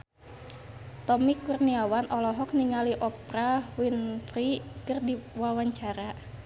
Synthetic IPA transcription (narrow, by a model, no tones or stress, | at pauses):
t̪ɔmikurniawanʔɔlɔɦɔk̚niŋaliʔɔpɾawinfɾikərdiwawaɲt͡ʃaɾa